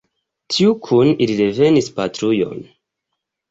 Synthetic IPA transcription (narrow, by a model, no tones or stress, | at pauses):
tʰiukʰunilide̞ve̞nispatɾujo̞̰n